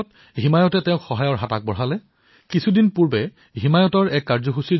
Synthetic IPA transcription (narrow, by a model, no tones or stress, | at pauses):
t | ɦimajɔtɛtɛʊ̃xɔɦajɔɹɦatak̚bɔɹɦalɛ | kisʰudinpuɹbɛ | ɦimajɔtɔɹɛkːaɹzɔxusi